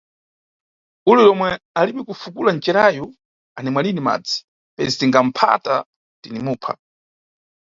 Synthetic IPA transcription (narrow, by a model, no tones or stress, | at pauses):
ululɔmwɛaliɓɛkufukulant͡ʃɛɾajɔ | anɛmwalinima̰d͡zi̥ | pɛzitiŋɡam̩pʰa̰ta | tinimuːpʰa̰